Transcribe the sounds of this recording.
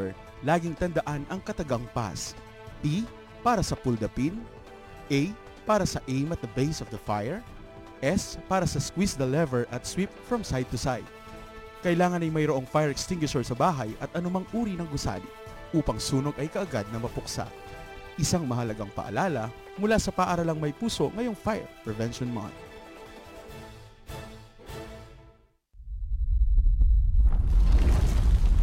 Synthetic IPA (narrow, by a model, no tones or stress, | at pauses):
ɛɹ | laːɡɪŋt̪ɐnd̪ɐʔanɐŋkɐt̪ɐɡaŋpa̰s | ʔi | paːɾɐsɐpʊld̪ɐpin | ʔɛj | paːɾɐsɐʔejmɐt̪̚d̪ɐbejsɔvd̪ɐfajɛɹ | ʔɛspaːɾɐsɐskwisd̪ɐlɛvɛɹʔɐt̪̚swipfɹɐmsajd̪̚t̪ʊsajd̪̥̚ | kɐʔɪlaːŋɐnɐjmɐjɾoʔoŋfajɛɹɛkst̪ɪŋɡwɪʃoɹsɐbaːɦɐjɐt̪̚ʔɐnʊmɐŋʔuːɾinɐŋɡʊsa̰ːli | ʔuːpɐŋsuːno̞ɡʔɐjkɐʔɐɡad̪̚nɐmɐpʊksa̰ | ʔɪsaŋmɐɦɐlɐɡaŋpɐ̰ʔɐ̰laːlɐ | mʊlaːsɐpɐʔaɾɐlɐŋmɐjpuːso̞ŋɐjo̞ŋfajɛ̰ɹpɹɛvɛnʃonma̰n